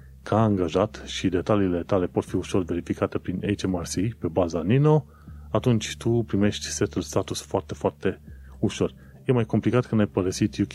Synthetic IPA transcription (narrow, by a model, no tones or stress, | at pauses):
kʰaːŋɡaʒat̪ʃid̪e̞t̪aliːle̞t̪ale̞po̞t̪fiuʃo̞rve̞ɾifikat̪e̞pɾinejt͡ʃemarsipe̞bazanino̞ | at̪unt͡ʃʲt̪upɾime̞ʃt̪ʲse̞t̪ulst̪at̪usfoart̪e̞foart̪e̞ | uʃo̞rʲ | je̞majko̞mplikat̪kənajpəɾəsit̪jukʲ